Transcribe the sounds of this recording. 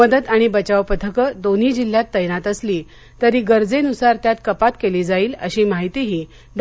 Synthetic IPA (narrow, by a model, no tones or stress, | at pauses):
əd̪əd̪aɽ̃ibət͡ɕaʋpət̪ʰəkəd̪on̤iːd͡ʑil̤jat̪ːəjnat̪əsliː | t̪əɾiːɡəɾd͡zenusaɾt̪jat̪kəpat̪keliːd͡zaiːlə̰ɕiːmaɦit̪iɦiː | ɖ